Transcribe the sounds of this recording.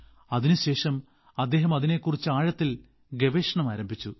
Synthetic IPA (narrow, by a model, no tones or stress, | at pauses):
ɐðinuɕe̞ːʂɐm | ɐd̪ːe̞ːɦɐmɐðine̞kːurit͡ɕːɨaːɻɐt̪ːil | ɡe̞ʋeːʂɐɳɐmaːɾɐmbʱit͡ɕːu